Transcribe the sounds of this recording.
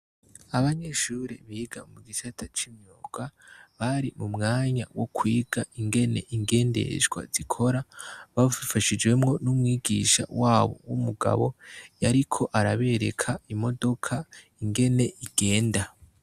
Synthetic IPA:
aβaɲe̞ʃuɾiβiːɡamuɡisatʰat͡ʃimɲoːɡ̥aβaɾimumŋaːɲawo̞kwiːɡaiŋɡe̞ne̞ʔiŋɡe̞ːnde̞̰ʒɡwa̰zikʰo̞ɾaβaβuifaʃid͡ʒɡwe̞mŋo̞numŋwiːɡiʃa̰waːβo̰wumuɡa̰βo̞jaɾikʰo̞ʔaɾaβe̞ɾe̞̰kʰaimo̞do̞kʰa | iŋɡe̞ne̞ʔiɡ̥e̞ːnda

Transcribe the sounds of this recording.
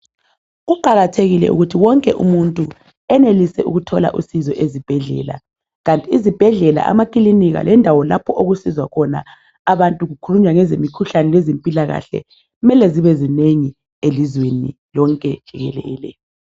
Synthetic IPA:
ɣuǃaɣatʰeɣilɛ̰ʔṵɣutʰiwɔŋkʼɛʔṵmuntʼu | ɛnelisɛʔṵɣutʰɔla̰ʔṵsizɔʔezib̥ʱɛɮɛ̰ːla̰ | ɣantʼiːzib̥ʱɛɮɛla̰ʔa̰makʼiliniɣa̰lʔɛndʱawɔlapʰɔʔoɣusizwakʰɔna̰ | aβantʼuɣukʰuluɲwaŋɛzemikʰuɬanɛlɛzempʼilaɣa̰ɬɛ̰ | ɣumɛlɛziβɛzineŋi | elizwenḭlɔŋkʼɛd̥ʒ̥ʱiɣɛ̰lɛ̰ːlɛ̰

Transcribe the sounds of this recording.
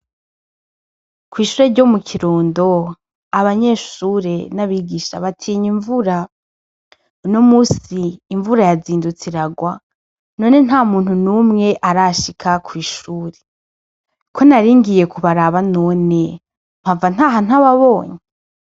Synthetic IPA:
kwiːʃuːɾe̞ɟo̞mukʰiɾoːndo̞ | aβaɲe̞ʃuːɾe̞naβiːɡiʃa̰βatʰiːɲiɱvuɾa | unomuːsiːɱvuɾajaziːndut͡siɾaɡwa | no̞ne̞n̥haːmuːn̥hunuːmŋe̞ʔaɾaʃikʰakʰwiːʃuːɾe̞ | kʰo̞naɾiːŋɡije̞kʰuβaɾaβano̞ːne̞ | m̥havan̥aːɦanaβaβo̞ːɲe

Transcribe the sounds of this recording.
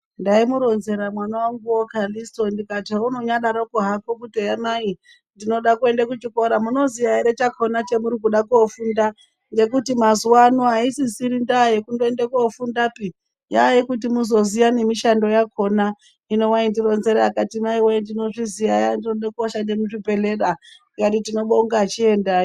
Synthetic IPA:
ndaimuɾo̞nze̞ɾamwanawaŋɡuwokalistondikatauno̞ɲaɗaɾokuɦakokutojamai | ndino̞ɗakue̞ndakut͡ʃiko̞ɾamuno̞zijaeɾet͡ʃakʰo̞nat͡ʃemuɾik̬uɗakuofunda | ŋɡe̞kutimazuwanoɦaisisiɾindajekundoendekofundapi | jajekutimuzo̞zijane̞miʃando̞jakʰo̞na | ino̞waindiɾo̞nze̞ɾeakatimaiweendino̞ʐizijajandinoɗakuaʃandemuʐipe̞le̞ɗa | katitino̞ɓoŋɡaːt͡ʃie̞nda

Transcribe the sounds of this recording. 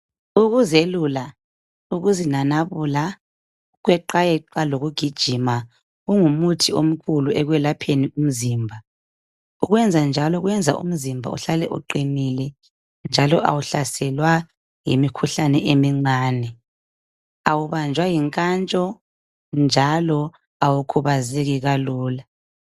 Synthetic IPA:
uɣuzelula | uɣuzinanaβula | ɣwɛǃajɛǃaloɣuɡ̥ʱid̥ʒ̥ʱima | ɣuŋumutʰiom̩kʰuluɛɣwɛlapʰenium̩ziːmbʱa | uɣwɛnd͡zʱand͡ʒʱalɔɣwɛnd͡zʱa̰ʔṵm̩zimbʱa̰ṵɬalɛʔṵǃinilɛ | nd͡ʒʱalɔʔa̰wuɬasɛlwa | jimikʰuɬanɛʔemiŋ͡ǀaːnɛ | awuβand͡ʒʱwajiŋkʼant͡ʃʼɔ | nd͡ʒʱalɔ | awukʰuβazɛɣiɣaluːla

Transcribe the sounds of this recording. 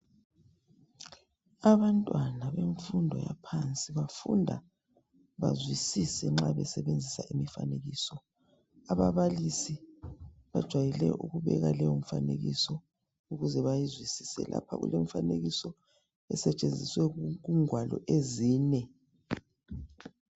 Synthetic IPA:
aβantʼwanaβeɱfundʱɔjapʰant͡sʼiβafundʱa̰ | βa̰zwisisɛŋ͡ǁaβɛsɛβend͡zʱisaʔimifaneɣiːsɔ | aβaβalisi | βad̥ʒ̥ʱwajilɛʔuɣuβɛ̰ɣalɛjɔm̩faneɣḭsɔ | uɣuzɛβajizwisi̥sɛ̰lʔa̰pʰa̰ɣṵlem̩ifaneɣisɔ | ɛsɛt͡ʃʼend͡zʱiswɛɣuŋʱwalɔ̰ʔeziːnɛ

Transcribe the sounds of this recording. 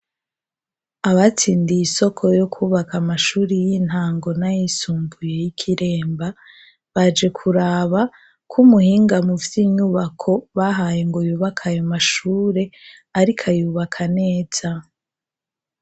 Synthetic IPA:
aβat͡siːndijiso̞kʰo̞jo̞kʰuːβakamaʃuɾijin̥haːŋɡo̞najisuːmbuje̞jikʰiɾe̞ːmba | βad͡ʒe̞kʰuɾaːβa | kʰumuhiːŋɡamuvjiɲuβakʰo̞βaɦaːjeŋɡo̞juːβakʰajomaʃuːɾe̞ | aɾikʰajuːβakʰane̞ːz̥a

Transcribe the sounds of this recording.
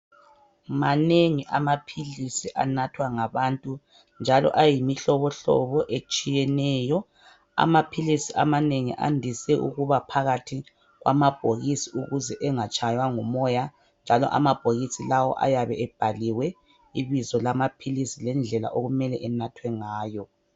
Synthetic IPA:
maneŋiʔamapʰilisiʔanatʰwaŋaβaːntʼu | nd͡ʒʱalɔ̰ʔajimiɬɔβɔɬɔ̰βɔʔet͡ʃʼijɛnɛːjɔ | a̰mapʰilisiʔamaneŋḭʔa̰ndʱisɛʔṵɣuβapʰaɣatʰi | ɣwa̰mab̥ʱoɣisiuɣuzɛʔɛŋat͡ʃʼajwaŋumɔja | nd͡ʒʱalɔ̰ʔa̰mab̥ʱoɣisilawɔ̰ʔa̰jaβɛɛb̥ʱaliwɛ | iβizɔlamapʰilisilɛnd͡ɮʱɛla̰ʔoɣumɛlɛʔɛnatʰwɛŋaːjɔ

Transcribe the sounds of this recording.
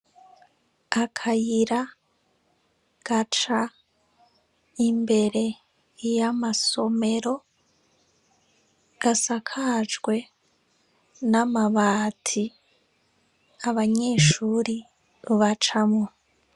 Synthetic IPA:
akʰajiɾa | ɡ̥at͡ʃa | imbe̞ɾe̞ | jamaso̞me̞ɾo̞ | ɡ̥asakʰad͡ʒɡwe̞ | namaβaːtʰi | aβaɲe̞ːʃuːɾi | βat͡ʃamŋo

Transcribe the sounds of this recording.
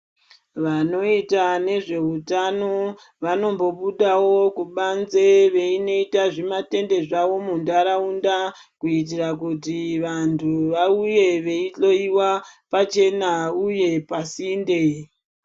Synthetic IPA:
ʋano̞itane̞ʐe̞utano | ʋano̞mbo̞ɓuɗawo̞kuɓanzeʋe̞ino̞itaʐimate̞nde̞ʐaʋo̞mundaɾaunda | kuit̬irakutiʋantʰuʋauje̞ʋe̞iɬo̞iwapat͡ʃe̞nauje̞pasiːnde̞

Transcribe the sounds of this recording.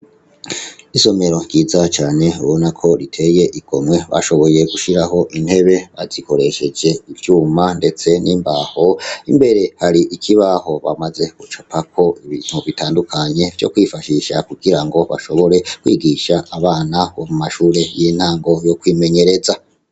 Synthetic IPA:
iso̞me̞ɾo̞ŋɟiːzat͡ʃaːne̞uβo̞nakʰo̞ɾitʰe̞je̞ʔiɡ̥o̞mwe̞βa̰ʃo̞βo̞je̞ɡuʃiɾaɦo̞ʔin̥he̞βe̞βaziko̞ɾe̞ʃe̞d͡ʒe̞ivjuːmande̞t͡se̞niːmbaho̞imbe̞ɾe̞haɾiʔikʰiβaho̞βa̰maze̞ɡ̥ut͡ʃopakʰo̞iβiːn̥huβitaːndukʰaɲe̞vjo̰kwifaʃiʃa̰kuɡ̥iɾaŋɡo̞βa̰ʃo̞βo̞ɾe̞kwḭːɡiʃaːβaːnaβomumaʃuːɾe̞jeːn̥haːŋɡo̞jo̞kwiːme̞ɲe̞ɾe̞za

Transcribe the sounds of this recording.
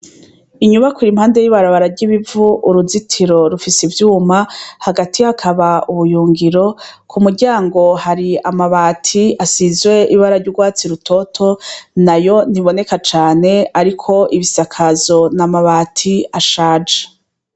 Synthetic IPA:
iɲuβakuɾim̥haːnde̞jiβaɾaβaɾaɾɟiβivuʔuɾuzitʰiɾo̞ɾufisivjuːmahaɡatʰihakʰaβauβujuːŋɡiɾo̞kʰumuɾɟaːŋɡo̞haɾiamaβaːtʰiasizwe̞ʔiβaɾaɾɟuɾɡwaːt͡siɾutʰo̞tʰo̞najo̞n̥hiβo̞ne̞kat͡ʃaːne̞aɾikʰo̞ʔiβisakʰazo̞namaβaːtʰiaʃaːd͡ʒḁ

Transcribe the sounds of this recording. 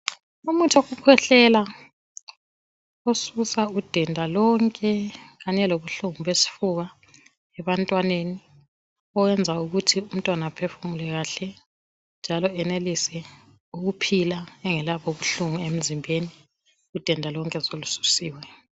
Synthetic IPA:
umutʰoɣukʰwɛɬɛla | osusaud̥ʱɛndʱalɔŋkʼɛɣaɲɛloβuɬuŋuβesi̥fuɣa | ɛβantʼwaneni | ɔwɛnd͡zʱauɣutʰium̩tʼwanapʰefumulɛɣaɬɛ | nd͡ʒʱalɔɛnelisɛ | uɣupʰilaɛŋɛlaβoβuɬuŋuem̩zimbʱeni | ud̥ʱɛndʱalɔŋkʼɛzolusu̥siːwɛ

